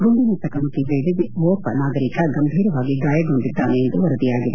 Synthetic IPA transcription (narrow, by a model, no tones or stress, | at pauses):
ɡuɳɖinit̪ɐkɐmuk̪iʋeːd̪iiʋoːpɐnaːɡɐɾikɐɡɐmbʱiːɾɐʋaːɡiɡaːjɐɡuɳɖid̪ːaːneːnd̪uʋɐɾɐd̪ijaːɡid̪e